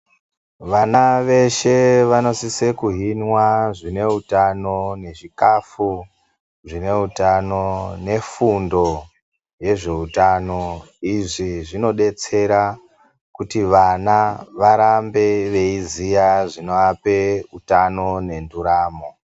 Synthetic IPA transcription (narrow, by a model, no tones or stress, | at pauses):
ʋanaʋe̞ʃe̞ʋano̞sisekuɦinwaʐine̞utano̞ne̞ʐikafu | ʐine̞utano̞ne̞fundo̞ | je̞ʐe̞utano̞ | iʐiʐino̞ɗe̞t͡se̞ɾa | kutiʋanaʋaɾambe̞ʋe̞izijaʐino̞ape̞utano̞ne̞nduɾaːmo̞